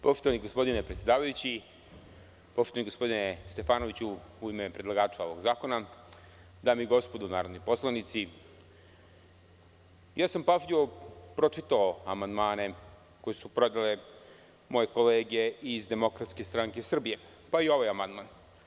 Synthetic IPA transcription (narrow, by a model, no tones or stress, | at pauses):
poʃt̪oʋaniɡo̞spo̞d̪inepɾet̪sʲe̞d̪aːʋajut͡ɕi | po̞ʃt̪oaniɡo̞spo̞d̪inest̪e̞faːno̞ʋit͡ɕuuimepɾed̪lˠaɡaːt͡ʂao̞ʋo̞ɡzaːko̞na | d̪aːmiɡo̞spo̞d̪unaːɾod̪nojpo̞slˠanit̪si | jaːsampaʐʎiʋopɾot͡ʂit̪aoamand̪maːne̞ | ko̞jesupɾo̞d̪ale | mo̞je̞ko̞leːɡe̞izd̪emo̞kɾat̪ske̞st̪ɾaŋke̞sr̩bije̞ | paio̞ʋajamand̪man